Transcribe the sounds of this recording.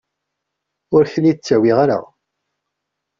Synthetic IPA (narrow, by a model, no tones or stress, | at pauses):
ʊɾçəlːit͡sːæwiʁaɾa̰